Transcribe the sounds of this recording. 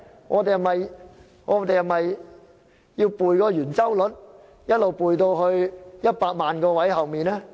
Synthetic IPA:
ŋʔɔː˨˧t̪e˨jhɐ˨˩mɐ˨j | ŋɔː˨˥t̪e˨jhɐ˨˩mhɐ˨j | jiː˧wpuː˨jkɔː˧jyː˨˩nt͡sɐ˥wlɵ˨˥t̚ | jɐ˥t̚lo˨wpuː˨˩jt̪o˧wɦɵ˧ɥjɐ˥t̚paː˧k̚maː˨nkɔː˧wɐ˨˥jɦɐ˨wmiː˨˩nɛː˥

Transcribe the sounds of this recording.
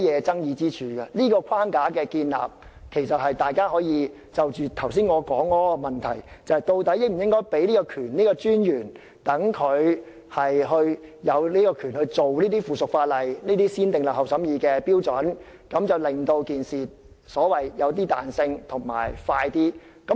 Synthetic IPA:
jɛː˨˧t͡sɐ˥ŋjiː˨˧t͡siː˥t͡ʃʰyː˨˧ɡɐ˧niː˥kɔː˧kʰaː˥ŋkaː˨˥kɛː˧kiː˧nla̰ː˨p̚ | kʰe˨˩jsɐ˨t̚hɐ˨jt̪aː˨jkaː˥ɦɔː˨˥jiː˨˧ | t͡sɐ˨wt͡ʃyː˨t̪ʰɐ˨˩ws̬iː˥nŋɔː˨˧kɔː˨˥ŋɔː˥mɐ˨˩nt̪ʰɐ̰˨˩jt͡sɐ˨˧hɐ˨jt̪o˧wt̪ɐ˨˥jɪ˥m̩˨˩jɪ˥ŋkɔː˥jpe˨˥jnliː˥kɔː˧kʰyː˨˩nniː˥kɔː˧t͡ʃyː˥njyː˨˩n | t̪ɐ˨˥ŋkʰɵ˨˧ɥ | hɐ˨jɦɵ˧ɥjɐ˨˧wliː˥kɔː˧kʰyː˨˩nhɵ˧ɥt͡so˨wliː˥t̪iː˥fuː˨sʊ˨k̚faː˧t̚lɐ˨jniː˥t̪iː˥siː˥nt̪ɪ˨ŋlɐ˨whɐ˨wsɐ˨˥mjiː˧kɛː˧piː˥wt͡sɔ˨˥n | kɐ˨˥mt͡sɐ˨˩wlɪ˨ŋt̪o˧wkiː˨nsiː˨ | sɔː˨˥wɐ˨jjɐ˨˧wt̪iː˥t̪a̰ː˨nsɪ˧ŋt̪ʰʊ˨˩ŋma̰ː˨˩jfaː˧jt̪iː˥kɐ˨˥

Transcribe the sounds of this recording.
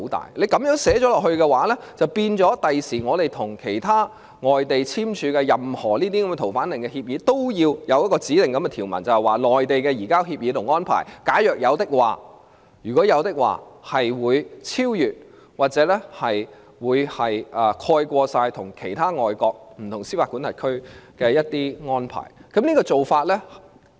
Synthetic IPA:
o˧˥t̪a̰ː˨jle˨˧jkɐ˨˥mjœː˨˥ŋsɛː˨˥t͡ʃɔː˨˥lɔː˨k̚hɵ˧kɛ˧waː˨˥lɛ˥t͡sɐ˨wpiː˧nt͡sɔː˨˥t̪ɐ˨jsiː˨˩ŋɔː˨˧ɾe˨˩jt̪ʰʊ˨˩ŋkʰe˨˩jt̪ʰaː˥ | ŋɔː˨jt̪e˨jt͡sʰiː˥mt͡ʃʰyː˨˧kɛ˧jɐ˨mhɔː˨˩liː˥t̪i˥kɐ˨˦mɛ˧t̪ʰwfaː˨˥nlɪ˨˩ŋkɛ˧hiː˧p̚jiː˨˧˥t̪o˥wjiː˧wjɐ˨˧wjɐ˥t̚kɔː˧t͡siː˨˥lɪ˨˩ŋkɐ˨˧˥mɛ˧t̪ʰiː˨˩wmɐ̰˨˩nt͡sɐ˨whɛ˨˩waː˨lɔː˨jt̪e˨jkɛː˧jiː˨˩kaː˥whiː˧p̚jiː˨˥t̪ʰʊ˨˩ŋɔː˥npʰa̰ː˨˩jkaː˨˥jœː˨k̚jɐ˨˧wt̪ɪ˥k̚waː˨˩ | jyː˨˩kɔː˨˥jɐ˨˧wt̪ɪ˥k̚wa̰ː˨˩hɐ˨jwuː˨˧jt͡sʰiː˥wjyː˨t̚ | waː˨t̚t͡sɛː˨˥lɛ˥hɐ˨j | wuː˨˧jhɐ˨jʔɐː˨˧kʰɔː˧jkʷɔː˧saː˧jt̪ʰʊ˨˩ŋkʰe˨˩jt̪ʰaː˥ŋɔː˨jkɔː˧k̚m̩˨˩t̪ʰʊ˨˩ŋsiː˥faː˧kːu˨˥nt̪ɐ˨t̚kʰɵ˥ɥkɛː˧jɐ˥t̚t̪iː˥ŋɔː˥npʰa̰ː˨˩jkɐ˨˥mniː˥kɔː˧t͡so˨wfaː˧t̚lɛː˥

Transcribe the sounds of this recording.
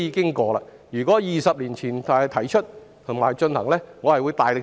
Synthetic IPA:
iː˨˧kɪ˥ŋkɔː˧la̰ː˧ | jyː˨˩kɔː˨˥jiː˨sɐ˨p̚liː˨˩nt͡sʰiː˨˩nt̪ʰːjt̪ʰɐ˨˩jt͡ʃʰɵ˥t̚ | hɐ˨˩ŋmaː˨˩jt͡ʃɵ˧nhɐ˨˩ŋlɛː˥ŋɔː˨˧hɐ˨jwuː˨˧jt̪aː˨˩jlɪ˨

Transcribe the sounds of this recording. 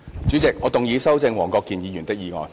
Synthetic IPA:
t͡ʃy˨˥t͡sɪ˨k̚ŋɔː˨˧t̪ʊ˨ŋjiː˨˧sɐ˥wt͡sɪ˧ŋwɔː˨˩ŋkɔː˧kːiː˨njiː˨˧jy˨˩nt̪ɪ˥k̚jiː˨˧ŋɔ̰ː˨˧n

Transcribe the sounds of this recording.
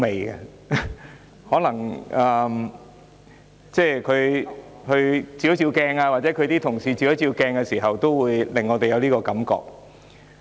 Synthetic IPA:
me˨jɡɐ̰˧ | hɔː˨˥lɐ˨˩ŋɐː˨m | t͡sɛː˥˩kʰɵ˨˧ɥhɵ˧ɥt͡siː˧˩jo˦˥t͡siː˧wkɛː˧ŋaː˧waː˨t̚t͡sɛː˨˥kʰɵ˧t̪iː˥t̪ʰʊ˨˩ŋsiː˧t͡siː˧jɐ˥t͡siː˧wkɛː˧ŋkɛ˧siː˨˩ɦɐ˨wt̪o˥wwuː˨˧jlɪ˨ŋːɔː˨˧t̪e˨jɐ˨˧wliː˥kɔː˧kɐ˨˥mkɔ̰ː˧k̚

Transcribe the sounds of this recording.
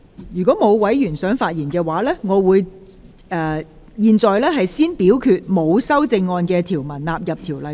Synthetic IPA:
jyː˨˩kɔː˨˥mo˨˧wwɐ˨˥jjyː˨˩nsœː˨˥ŋfaː˧t̚jiː˨˩nkɛː˧waː˨˥lɛː˥ŋɔː˨˧wuː˨˧j | ɛː˨˩ | jiː˧nt͡sɔː˨jlɛː˥ɦɐ˨jsiː˥npiː˨˥wkʰyː˧t̚mo˨˧wsɐ˥wt͡sɪ˧ŋːɔː˧nkɛː˧t̪ʰiː˨˩wmɐ˨˩nlaː˨p̚jɐ˨p̚t̪ʰiː˨˩wlɐ˨

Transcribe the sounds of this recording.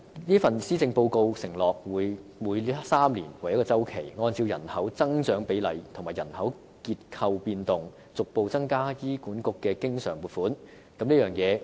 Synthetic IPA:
liː˥fɐ˨nsiː˥t͡sɪ˧ŋpo˧wko˧wsɪ˨˩ŋlɔː˨k̚wuː˨˧jmuː˨˧jsaː˥mlḭː˨˩nwɐ˨˩jɐ˥kɔː˧t͡sɐ˥wkʰe˨˩jŋɔː˧nt͡siː˧wjɐ̰˨˩nhɐ˨˥wt͡sɐ˥ŋt͡ʃœː˨˥ŋpe˨˥jlɐ˨˧jt̪ʰʊ˨˩ŋmaː˨˩jɐ˨˩nhɐ˨˥w | kiː˧t̚kʰɐ˧wpiː˧nt̪ʊ˨ŋ | t͡sʊ˨k̚po˨˧wt͡sɐ˥ŋkaː˥jiː˥kuː˨˥nkʊ˥kːɛː˧kɪ˥ŋsœ̰ː˨˩ŋmu˨t̚fuː˨˥n | kɐ˨˥mliː˥jœː˨˩ŋjɛː˨˧

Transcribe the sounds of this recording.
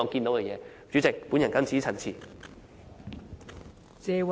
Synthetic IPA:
ɔ˨˧ŋki˧nt̪o˨˥wkɛ˧jɛː˨˧ | t͡ɕy˨˥t͡sɪ˨k̚puː˨˥njɐ˨˩nkɐ˥ŋt͡sʰiː˨˥t͡sʰɐ˨˩nt͡sʰḭ˨˩ | t͡sɛː˨˧w

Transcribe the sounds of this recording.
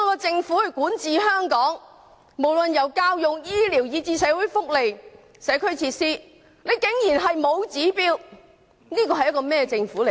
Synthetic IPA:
ɔ˨˧kɔː˧t͡sɪ˧ŋfu˨˥hɵ˧ɥkuː˨˥nt͡siː˨ɦœː˥ŋkɔː˨˥ŋ | mo˨˩wlɵ˨njɐ˨˩wkaː˧˥wjʊ˨ŋjiː˥liː˨˩wjiː˨˧t͡siː˧sɛː˨˥wu˨˥jfʊ˥k̚le˨j | sɛː˨˥kʰɵ˥ɥt͡sʰiː˧t̚siː˥ | ne˨˧jkɪ˨˥ŋjiː˨˩nɦɐ˨jmo˨˧wt͡siː˨˥piː˥w | niː˥kɔː˧ɐ˨jɐ˥tkɔː˧mɛː˥˧t͡sɪ˧ŋfuː˨˥le˨˩

